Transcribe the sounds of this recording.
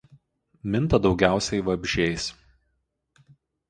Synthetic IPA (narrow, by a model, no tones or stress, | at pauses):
mʲɪnt̪ɐd̪ɒʊɡʲæˑʊsʲɛɪʋɐbʲʒʲɛɪs